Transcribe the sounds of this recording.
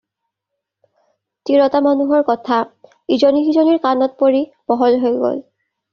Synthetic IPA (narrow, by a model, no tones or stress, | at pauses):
tiɹɔtamanuɦɔɹkɔtʰa | izɔnixizɔniɹkanɔt̚poɹi | b̥ɔɦɔlɦojɡo̰l